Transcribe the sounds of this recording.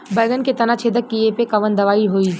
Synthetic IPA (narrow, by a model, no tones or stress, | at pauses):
bɐːɡ̪ənket̪ɐnat͡ʃʰeːd̪əkːiepekɐʋənd̪ɐʋaːiɦoːi